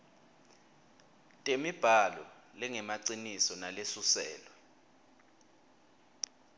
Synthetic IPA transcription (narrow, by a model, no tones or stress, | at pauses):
tʼemib̥ʱalɔlɛŋɛmaǀinisɔnalesusɛ̰ːlwɔ